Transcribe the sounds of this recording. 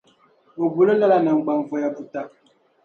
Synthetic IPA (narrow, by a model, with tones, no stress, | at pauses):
o˨ɡu˨lo˦la˦la˨na˨ŋ̩˨ɡ͡ba˨ɱ˨vɔ˦ja˦bu˨ta˦